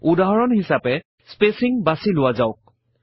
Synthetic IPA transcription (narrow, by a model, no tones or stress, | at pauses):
udaɦɔɹɔnhisapɛ | spesiŋbasilʊwazaʊk̚